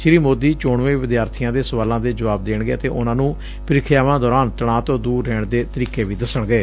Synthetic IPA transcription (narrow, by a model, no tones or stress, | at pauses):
ʃɪɾiːmoːd̪iːt͡ʃoːɳʋẽːʋɪd̪jaːɾt̪ʰɪjãːd̪eːsəʋaːlãːd̪eːd͡ʒəʋaːb̚d̪eːɳɡḛːt̪ḛːʔʊnãːnũː | pɪɾɪkʰɪjaːʋãːd̪ɔːɾaːnt̪əɽ̃ãːt̪õːd̪uːɾːɛːɳd̪eːt̪əɾiːkeːʋiːd̪əsəɳɡeː